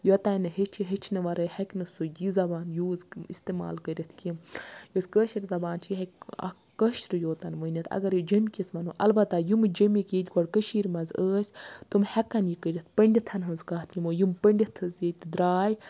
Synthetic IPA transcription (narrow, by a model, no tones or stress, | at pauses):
jot̪ɐnɨɦet͡ʃʰiɦet͡ʃʰnɨʋɐɾəhɐkʲnɨsojizɐbaːnjuːzist̪ema̰ːlkəɾʲɐt̪ʰkimjozkəːʃiɾzɐbaːnt͡ʃʰjiɦɐkʲɐ̰ | kːəʃɾɨjoːt̪ɐnʋɐnʲɐt̪ʰɐ̰ɡɐɾjid͡ʒɐmʲkʲismɐnuʔɐ̰lbɐt̪ːajumɨd͡ʒɐmikeːt̪ʲɡɔɽkəʃiːɾmɐzəːsʲt̪umhɛkɐnjikəɾʲit̪ʰpɐɳɖʲit̪ʰɐnɦɐnzkaːt̪ʰnʲimoːjimpəɳɖʲit̪ʰːɐzjet̪ʲd̪ɾaːj